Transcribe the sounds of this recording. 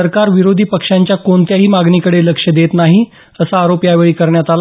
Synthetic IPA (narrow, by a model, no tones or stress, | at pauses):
əɾkaɾʋiɾod̪ʱiːpəkʂaɲt͡ɕjakoɳt̪jaɦiːmaɡɳikəɽeləkʂəd̪et̪naɦi | əsaːɾopjaʋeɭiːkəɾɳjat̪al